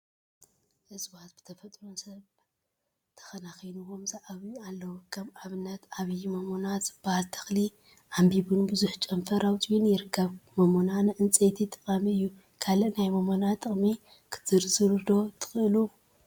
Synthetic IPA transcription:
ʔɨzbat̪̚b̥ɨ̥t̪ʰɐfɐt̪ʼɾonsɐβ | t̪ʰɐ̥xɐnaxijnuwo̞mzaʔaβialːɐwokʰɐmaβɨnːɐt̪aβjmomonazɨb̥alt̪ʰɐ̥xli | ʔambiβunbɨzuħt͡ʃʼɐmfɐɾʔawt͡ʃʼiwunjɪɾɨkʰːɐβmomonanɨʔɨnt͡sʼet̪ʰit̪ʼɨkʼamiɨjːu | kʰalɨnajmomonat̪ʰʼːɨχʼmi | kʰɨ̥t̪ʰɨɾzɨɾɨd̪o̞t̪ʰɨ̥xɨɨlu

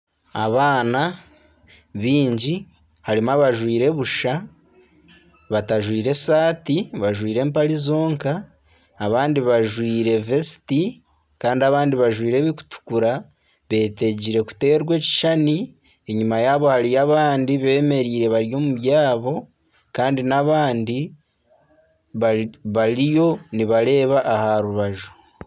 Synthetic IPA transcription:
aβaːna | βiːɲɟi | haɾimaβaʒwiːɾe̞βuʃa | βataʒwiːɾe̞saːtiβaʒwiːɾe̞ːmpaɾizo̞ːŋkaː | βaːndiβaʒwiːɾe̞ve̞si̥ti | kaːndiaβaːndiβaʒwiːɾe̞βiku̥tu̥kuɾa | βe̞ːte̞ɟiɾe̞ku̥te̞ːɾɡwe̞ːci̥ʃani | e̞ɲumajaːβo̞haɾijaβaːndiβe̞ːme̞ɾiːɾe̞βaɾjo̞ːmuβjaːβo̞ | kaːndinaβaːndi | βaβaɾijo̞niβaɾe̞ːβaʔːhaɾuβaʒu̥

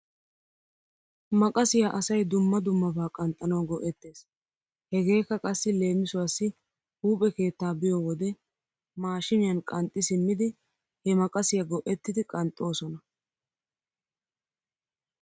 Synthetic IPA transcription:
mɐkʼɐsɪjaʔɐsɐjd̪ʊmːɐd̪ʊmːɐbaːkʼɐnt̪ʼːɐnɐwɡɔʔɛt̪ːe̞ːs | hɛɡe̞ːkːɐkʼɐsːɪle̞ːmɪsʊwasːɪ | huːpʼɛke̞ːt̪ːaːbɪjɔwɔd̪ɛ | maːʃɪmɪjɐnkʼɐnt̪ʼːɪsɪmːɪd̪ɪ | hɛmɐkʼɐsɪjɐɡɔʔɛt̪ːɪd̪ɪkʼɐnt̪ʼːo̞ːsɔnɐ

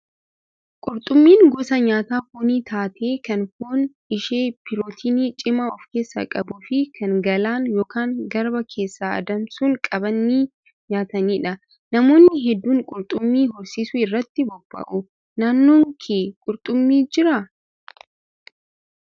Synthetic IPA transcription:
kʼʊɾt̪ʼʊmːiːŋɡɔsɐɲaːt̪aːkʊniːt̪ʰaːt̪ʰeːkɐnkoːn | ɪʃeːpɪɾoːt̪ʰiːniːt͡ʃʼɪmaɔfke̞ːsːɐ̰kʼɐbʊfɪkʰɐŋɡɐlaːŋjoːkaːŋɡɐɾbɐkʰe̞ːsːaːɐ̰d̪ɐmsʊŋkʼɐbɐnːiː | ɲaːt̪ɐniːᶑɐ | nɐmo̞ːnːɪɦɛd̪ːuːŋkʼʊɾt̪ʼʊmːiːɦɔɾsiːsʊɪrːɐt̪ːɪbɔb̥ːɐ̰ʔʊ | naːnːoːŋkʰeːkʼʊɾt̪ʼʊmːiːd͡ʒɪɾɐ

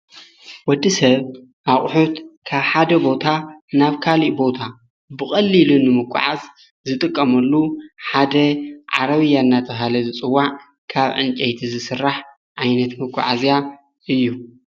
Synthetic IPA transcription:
wɔd̪ːisɐβ | ʔaχʼħut̪kʰaβħad̪ɐbo̞t̪ʰanaβkʰaliʔbo̞t̪ʰa | bɨxʼɐlːilunɨmɨkʰʷʼːʊ̰ʕaz | zɨt̪ʼɨkʼːɐmɐlːuħad̪ɐʕaɾɐβɨjːaɨnːat̪ʰɐɦalɐzɨt͡sʼɨwːaʕ | kʰaβʕɨnt͡ʃʼɐjt̪ʰizɨsɨrːaħ | ʕajnɐt̪mɨkʷʰʼːʊ̰ʕazija | ɨjːu

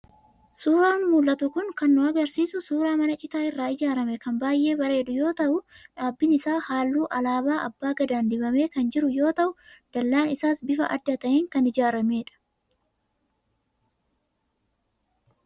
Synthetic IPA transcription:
suːɾaːnmuːlʔɐt̪ʊkʊŋkɐnːʊɐɡɐɾsiːsʊsuːɾaːmɐnɐt͡ʃʼɪt̪aːɪrːaːɪd͡ʒaːɾɐmɛkɐmbaːjʔːe̞ːbɐɾe̞ːᶑʊjo̞ːt̪ɐʔʊᶑaːbːɪnɪsaːhaːlːuːʔɐlaːbaːʔɐbːaːɡɐd̪aːnd̪ɪbɐme̞ːkɐnd͡ʒɪɾʊjo̞ːt̪ɐʔʊd̪̥ɐlːaːnɪsaːsbɪfɐʔɐd̪ːɐt̪ɐʔeːŋkɐnɪd͡ʒaːɾɐme̞ːᶑɐ̥

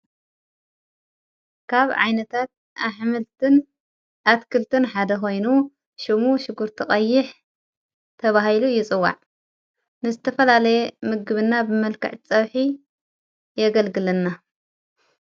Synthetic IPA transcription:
kʰaβʕa̰jnɐt̪ʰat̪̚ | aħmɨlt̪ɨn | ʔat̪kʰɨlt̪ʰɨnħad̪ɐxo̞jnu | ʃɪmuʃɪɡuɾt̪ʰikʼɐjːɪħ | t̪ʰɐβahilujɪt͡sʼɨwːa̰ʕ | nɨzɨt̪ʰɐfɐlalɐjemɨɡɨβɨnːabɨmɐlkɨ̰ʕt͡sʼɐβħi | jɛɡɐlɡɨlɐnːa

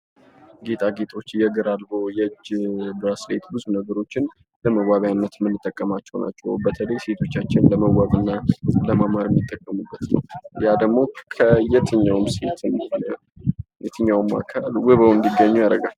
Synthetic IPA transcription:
ɡe̞t̪ʼaɡe̞t̪ʼo̞t͡ʃːjɛɡɨɾalbo̞jɛd͡ʒbɾaslet̪bɨzunəɡəɾo̞t͡ʃːɪn | ləməwaβjanːət̪mɨnːɨt̪ʼːəkʼːəmat͡ʃːɛwna̰t͡ʃːɛ̰wbət̪ʰələjse̞t̪ʰo̞t͡ʃːat͡ʃːɪnləməwaβɨnːaləmamaɾjɛmːit̪ʼːəkʼːəmubːət̪nə̰wjad̪əɡmo̞kʰəjɛt̪ʰɨɲːawmse̞t̪ʰɨn | jɛt̪ʰɨɲːawma̰kʰalwɨβəwɨmd̪iɡːəɲːujad̪ə̰ɡal

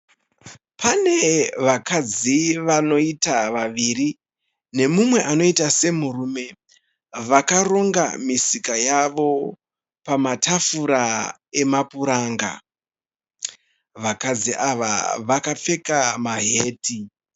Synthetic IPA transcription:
pane̞ʋakad͡ziʋano̞itaʋaʋiri | ne̞mumwe̞ʔano̞itase̞murume̞ | ʋakaro̞ŋɡa̰misikajaʋo̞ | pamatʰafuɾa | e̞mapuɾaːŋɡa̰ | ʋakad͡ziʔaʋa̰ʋakap͡fe̞kamaɦe̞ːti

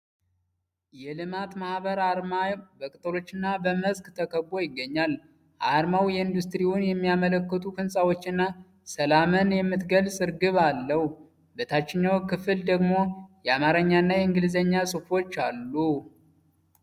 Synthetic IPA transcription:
jɛlɨmat̪mahβəɾaɾmabəkʼɨt̪ʼɨlo̞t͡ʃːɨnːabəməzkt̪ʰəkʰəbːo̞jɪɡːəɲːal | ʔaɾmawjɛɨnd̪ust̪ɾiwunjɛmːijamələkːət̪ʰukɨnsʼawot͡ʃːɨnːa | səlamɨnjɛmːɨt̪ɡəlsʼɨɾɡɨβalːəhu | bət̪ʰat͡ʃːɪɲːawkɨfɨld̪əɡmo̞jɛamaɾəɲːanːajɛɨŋɡɨlzəɲːasʼɨfo̞t͡ʃːalːu

